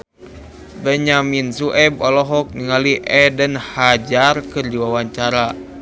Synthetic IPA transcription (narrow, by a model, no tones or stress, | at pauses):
bɛɲaminsuʔɛbɔlɔɦɔk̚niŋaliʔɛdənhad͡ʒarkɨrdiwawaɲt͡ʃaɾa